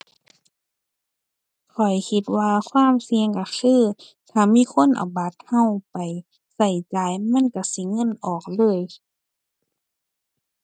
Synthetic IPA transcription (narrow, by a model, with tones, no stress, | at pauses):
kʰɔ˨˩jkʰi˧˦t̪̚waː˧kʰwaː˧˥˨msi˧əŋka˧˩xʰɯː˧˥˩ | t̪ʰaː˨˩miː˧˥˨kʰo˧˥˨nʔa̰˨˩wba˨˦t̪̚ha˧˩˨wpa˨j | sa˧˩jt͡ɕaː˨˦jma˧˥˨nka˧˩si˧˦ŋɤ˧˥˨nʔɔː˨˩k̚lɤː˧˥˨j